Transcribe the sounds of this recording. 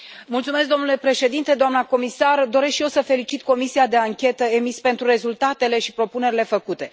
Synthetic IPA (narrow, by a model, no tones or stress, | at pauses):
mult̪sume̞s̬k̚ɡd̪o̞mnule̞pɾe̞ʃe̞d̪int̪e̞d̪oamnəko̞misard̪o̞ɾe̞sʃije̞wsəfe̞lit͡ʃit̪ko̞misiad̪e̞aŋkʲe̞t̪əe̞mispe̞nt̪ɾuɾe̞zult̪at̪e̞le̞ʃipɾo̞pune̞ɾile̞fəkut̪e̞